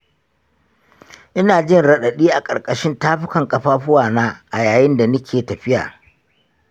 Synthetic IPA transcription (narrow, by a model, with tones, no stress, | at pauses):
ʔɪ˦naː˨d͡ʒɪ˦nɽɐ˨ɗɐ˨ɗiː˦ʔa˨kʼɐ˨rkʼɐ˨ʃɪ˦ntaː˦ɸʊ˦kɐ˨ŋkʼɐ˨ɸaː˦ɸʊ˦waː˨naː˦ʔa˨jaː˨jɪ˦nda˨nʊ˦kʲʰeː˨tɐ˨ɸɪ˦ja̰ː˨